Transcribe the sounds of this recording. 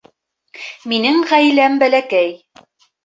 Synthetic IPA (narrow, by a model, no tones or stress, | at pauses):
minɘŋʁæjlæmbælækæj